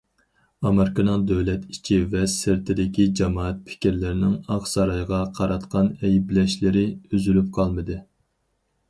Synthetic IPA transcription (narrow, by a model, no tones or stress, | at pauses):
ɑmeɾkɑnɑŋˠd̪øwlɛt̪it͡ʃʰivɛsɪɾt̪ʰɪd̪ɪkʲid͡ʒɑmɑːɛt̪̚pʰɪ̥kʲiɾlɪɾɪnɪŋɑχsɑɾɑjʁɑqʰɑɾɑt̪qʰɑnɛjblɛʃlɪɾɪyzylyp̚qʰɑlˠmɨd̪ɨ